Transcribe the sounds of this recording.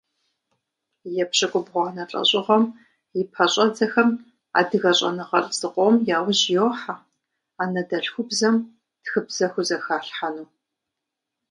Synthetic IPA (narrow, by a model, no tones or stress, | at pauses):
jɛpɕɐkʷʼʊbʁʷanɐɬʼɐ̰ɕʼɪʁɐm | jɪpʰɐɕʼɐd͡zɐxɐm | a̰ːdɨɣɐɕʼɐ̰nɨʁɐrz̥ɨqʷʼomjaːwʒjoːħa | aːnɐdɐɬxʷʊbzɐm | txɨbz̥ɐxʷʊzɐxaːɬħanuː